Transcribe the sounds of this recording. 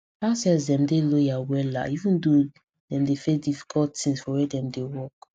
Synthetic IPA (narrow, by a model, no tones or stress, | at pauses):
asɛs̬dɛ̃mdelojawɛla̰ivũndo | dɛ̃mdefedifi̥kʰɔltĩŋsfɔwɛdɛ̃mdewɔk